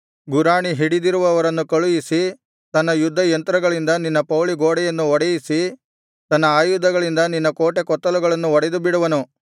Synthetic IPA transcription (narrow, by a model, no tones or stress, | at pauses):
ɡuɾaːɳiɦiɽid̪iɾuʋɐːʋɐɾɐnːukɐɭujisi | t̪ɐnːɐjud̪ʱːɐjɐnt̪ɾɐɡɐɭind̪ɐninːɐpɐwɭiɡoːɽɛjɐnːuɔɽɛjisi | t̪ɐnːɐaːjud̪ʱːɐɡɐɭind̪ɐninːɐkoːʈekɔt̪ːɐluɡɐɭɐnːuɔɽed̪ubiɽuʋɐnu